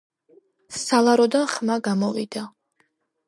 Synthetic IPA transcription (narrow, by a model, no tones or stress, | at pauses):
salˠaɾɔd̪anχmaɡamɔvid̪̥a